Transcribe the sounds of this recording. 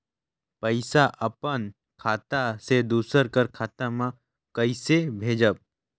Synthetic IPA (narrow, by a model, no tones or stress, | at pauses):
pəɪsaʔəpən | kʰaːt̪ased̪uːsəɾkəɾkʰaːt̪amã | kəɪsebʱeːd͡ʒəb̚